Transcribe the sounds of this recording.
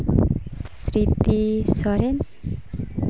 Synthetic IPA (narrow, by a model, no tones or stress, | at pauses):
s | ɾit̪isɔɾen